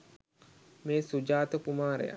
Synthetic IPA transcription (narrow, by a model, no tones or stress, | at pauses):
meːsud͡ʒaːt̪əkumaːɾə̰ja̰